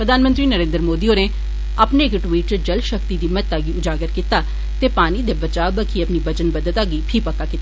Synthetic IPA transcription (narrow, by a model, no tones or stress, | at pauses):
pɾəd̪ʱaːnmə̃nt̪ɾiːnəɾẽːnd̪ɾəmoːd̪iːoːneː | əpneːkʈʋiːʈd͡ʒəlʃəkt̪iːd̪iːmət̪ːaːɡiːʊd͡ʒaːɡəɾkit̪aː | t̪eːpaːniːd̪eːbət͡ʃaːbəkʰiːəpniːbət͡ʃənbəd̪ət̪aːɡiːpʰiːpəkːaːkɪt̪a